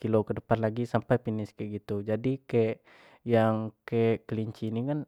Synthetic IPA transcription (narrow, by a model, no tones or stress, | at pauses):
kilokədəpanlaɡisampajpinɪskɛʔɡit̪ud͡ʒadikeʔ | jaŋkeʔkəliɲt͡ʃinikan